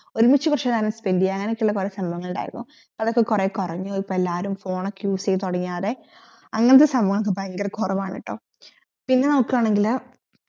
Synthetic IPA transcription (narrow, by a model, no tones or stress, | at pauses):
o̞ɾumit͡ɕːɨkurɐʂenːaːnuspendijɐŋːɐnekʲːuɭːɐkureːsɐmbɐŋːɐɭuɳɖa̰ːj̰iɾunːu | pːɐðokːekureːkurɐɲːuipːoelːaːɾumfo̞ːɳokʲːjuːsejt̪oɽɐɲːaːðe̞ | ɐŋːɐnɐt̪̬ːesɐmbɐŋːɐkːebaŋɡɐrkurɐʋaːɳḭʈːo̰ː | pinːenɐmukːiaːɳe̞ŋɡil